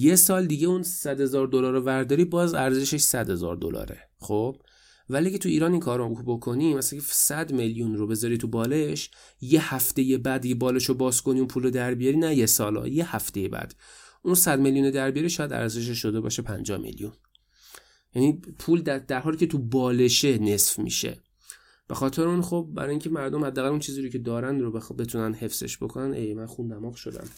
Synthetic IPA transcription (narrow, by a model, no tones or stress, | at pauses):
jesɒːld̪iɟe̞unsæd̪he̞zɒːɾd̪olɒːɾovæɾd̪ɒːɾiːbɒːzæɾze̞ʃeʃsæd̪he̞zɒ̰ːɾd̪o̰lɒ̰ːɾḛ | xob̥ | væliæcʰet̪ʰuiːɾɒːninkʰɒːɾobo̞kʰo̞niːmæskʰesæd̪meljunɾobe̞zɒːɾit̪ʰubɒːleʃ | jehæft̪e̞jebæːd̪ːiɡebɒːleʃobɒːsko̞niunpʰuːlɾod̪æɾbijɒɾiːnæjesɒːlɒ̰je̞hæft̪e̞jebæ̰d̪̥ | ʔunsæd̪me̞ljuned̪æɾbijɒɾiʃɒːjæd̪æ̰ɾze̞ʃ̬eʃod̪ebɒ̰ːʃe̞pʰæ̰nd͡ʒɒ̰hmḛljun | jænipʰuːld̪æd̪æɾɦɒːliːcʰet̪ʰubɒːle̞ʃene̞sfmḭːʃḛ | b̥e̞xɒːt̪ʰe̞ɾeunxob̚ːæ̰ɾɒːjiŋcʰemæɾd̪omhæd̪ːæːɣælunt͡ʃʰiːziːɾocʰe̞d̪ɒːɾænd̪ɾobe̞t̪ʰunænd̪he̞fz̥e̞̰ʃbo̞kʰo̞nænʔejmænxund̪æmɒɡʃo̞̰d̪æ̰m